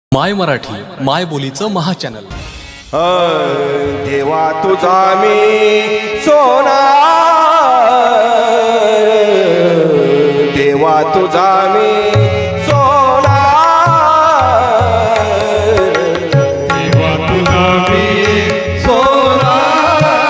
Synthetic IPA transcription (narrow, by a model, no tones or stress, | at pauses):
majməɾaʈʰḭːmajbolit͡səməɦat͡ɕænəl | ɦə | d̪eʋat̪ud͡zami | sona | d̪eʋat̪ud͡zami | sona | d̪eʋat̪ud͡zami | sona